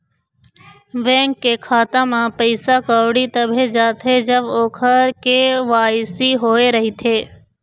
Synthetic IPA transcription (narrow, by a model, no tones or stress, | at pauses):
ʋɛ̃ːŋkːekʰaːt̪amãpəɪsakaːʋɽit̪ɐbʱed͡ʒaːt̪ʰed͡ʒəboːkʰəɾkeʋaːjsiɦoːeɾɐɦit̪ʰeː